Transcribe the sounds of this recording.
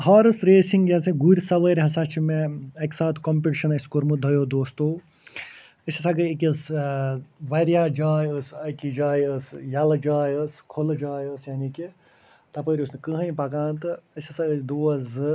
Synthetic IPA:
ɦaːɾɨsɾeːsiŋɡjɐsɐɡuɾʲsɐʋəːɾʲɦɐsat͡ʃʰimeɐksaːt̪komp̬iʈʃɐnɐsʲkoɾmɨd̪ʱɐjoːd̪oːst̪oː | əsʲɐsɐɡɨikʲɐs | ʋɐɾijaːd͡ʒaːjəsɐkid͡ʒaːjəsjɐld͡ʒaːjəskʰold͡ʒaːjəsjaːniki | t̪ɐpəːɾʲusnɨkɨɦɐjpɐkãːnt̪ɨəsʲɐsɐɡəd̪uːɐz

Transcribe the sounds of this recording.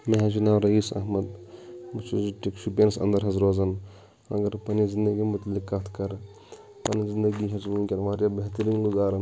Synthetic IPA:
meɦɐt͡ʃunaːwɾɐiːsɐ̰ɦmɐd̪mut͡ʃʰuziʈikʃʰupeːnsɐ̰̃nd̪əɾɦɐzɾoːzɐn | ɐ̰ɡɐɾpɐnizind̪ɐɡimut̪likːat̪ʰkɐɾ | pɐnizind̪ɐɡiɦɐt͡ʃmunkʲɐnʋaːɾjabeɦt̪əɾinluɡaːɾɐ

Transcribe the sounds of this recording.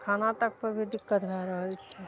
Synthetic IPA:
kʰaːnat̪ək̚pəɾbʱid̪ɪkːət̪ɡɛɾəɦəlt͡ʃʰɛ

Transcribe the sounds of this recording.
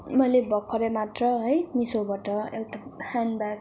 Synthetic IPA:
mʌjlebʌkʰʌɾʌmat̪rʌɦʌjmisobʌʈʌḛwʈahanbak̚

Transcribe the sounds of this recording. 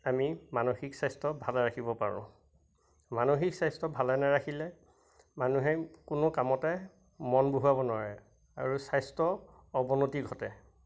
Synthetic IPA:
amimanoxiksajstɔbʱalɛɹakʰibɔpaɹʊ̰̃ | manoxiksajstɔbʱalɛnaɹakʰilɛ | manuɦɛkʊnokamɔtɛ | mɔnboɦuabɔnʊaɹɛ | a̰ɹusajstɔ | ɔbɔnotiɡʱɔtɛ

